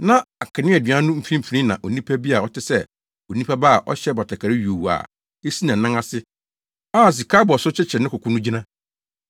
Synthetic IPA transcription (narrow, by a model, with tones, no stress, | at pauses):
nã˦a˨kʰa˨nɪ̃˦æ˨dĩ˨a˦nʊ̃˦m̩˦fɾĩ˦m̩˨pʰɾĩ˦nã˨ʔo˨nĩ˦pʰa˦bi˦a˨ɔ˦tʰɪ˦sɛ˦ | o˨nĩ˦pʰa˦ba˦a˨ʔɔ̰˦ɕɛ˦bɔ˨tʰa˨kʰa˨ɾɪ˦jo˨wu˨a̰˨ | e˦si˦nã˨nã˦ŋa˦sɪ˦ | a˦˨s̬i˨kʰa˦bɔ˨sʊ˦t͡ɕʰɪ˦t͡ɕʰɛ˨nɪ̃˦kʰʊ˨kʰʷʊ̃˦nʊ̃˦d͡ʑi˦nã˦